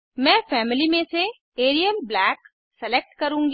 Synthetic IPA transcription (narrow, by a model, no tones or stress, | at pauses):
mɛ̃ːfɛːmɪlimẽse | eːɾijəlblɛːk | sɛlek̚ʈkɐɾũ̆ːɡ